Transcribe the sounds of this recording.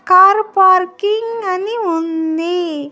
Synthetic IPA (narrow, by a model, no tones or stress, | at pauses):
kaːɾpaːɾkiŋɡɐniund̪e